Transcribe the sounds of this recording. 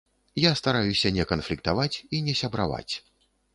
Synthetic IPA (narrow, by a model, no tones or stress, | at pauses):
jast̪aɾajusʲɐnʲɛkɐnflʲik̚t̪avat͡sʲinʲɛsʲɐbɾa̰va̰t͡sʲ